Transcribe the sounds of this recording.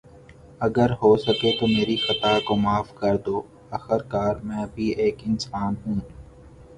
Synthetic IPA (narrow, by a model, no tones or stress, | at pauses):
ɐɡəɾɦoːsɐket̪omeːɾixɐt̪akomaːfkɐɾd̪oː | ɐxəɾkaːɾmɛ̃ːbʱieːkɪnsaːnɦũː